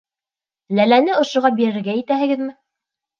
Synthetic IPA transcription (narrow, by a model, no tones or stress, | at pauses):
lælænɘŏʃŏʁɑbiɾɘ̆ɾɡæjɘ̆t̪æɦɘ̆ɡɘðmɘ